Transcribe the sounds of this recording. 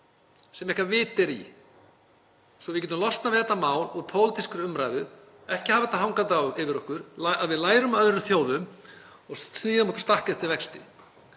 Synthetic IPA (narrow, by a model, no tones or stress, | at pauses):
sɛmɛhkaɾvɪːt̪ɛɾḭ | sɔvɪcɛːt̪ʏmlɔst̪navɪðɛt̪amaːwluɾpʰoːwlɪt̪iskʏɾʏmɾaːjðʏ | ɛhcɪhavat̪aɦawŋkat̪awɪvɪɾɔhkʏɾ̥aaðvɪðlaːjɾʏmaœðɾʏmθjoːwðʏm | ɔɣsniːðʏmɔkʏ̥st̪ahkɛht̪ɪvɛkst̪ɪ̰